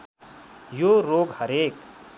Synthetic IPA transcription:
joɾoːɡhəɾek

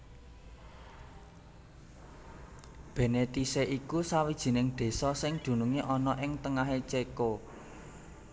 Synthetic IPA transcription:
b̥e̤net̪iseʔikusawid̥ʒ̥i̤nɪŋɖ̪̥e̤sɔsɪŋd̪̥ṳnuŋiʔɔnɔʔɪŋt̪əŋaɦet͡ʃeko

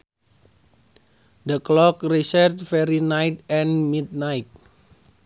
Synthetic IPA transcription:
dəklɔk̚risərt̪̚fɛɾinajt̪̚ɛnmid̚najt̪̚

